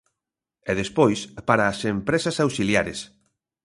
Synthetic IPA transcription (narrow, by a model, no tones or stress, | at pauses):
ɛðespojspaɾaːsempɾesɐsawsiljaɾes